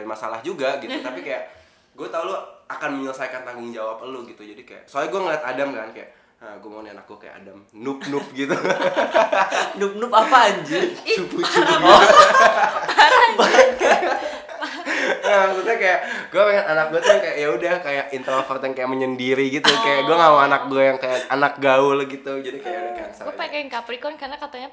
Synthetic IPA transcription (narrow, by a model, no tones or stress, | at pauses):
masalahd͡ʒuɡaɡit̪t̪apikajaʔ | ɡuat̪auluakanməɲələsajkant̪aŋɡʊŋd͡ʒawapəluɡit̪ud͡ʒadikaja̰ʔsoaiɡuaŋəliat̪adamka̰nkaja̰ʔ | əɡuamaonia̰na̰k̚ɡuakaja̰ʔa̰damnʊpnʊp̚ɡit̪u | nʊp̚nʊpapaːd͡ʒiuput͡ʃu | bakət̪̚ka | at̪ut̪ɲakajaʔɡ̥uɛpeŋananak̚ɡuat̪uakajaʔjaudahkajaʔint̪ɾofərt̪jaŋkajaʔməɲəndiɾiɡit̪ukajaɡuaŋauanak̚ɡuajaŋkajaʔanak̚ɡaʊlɡit̪ud͡ʒadikajaʔudahkaansapakaŋkapɾikɔnkarnakat̪aɲa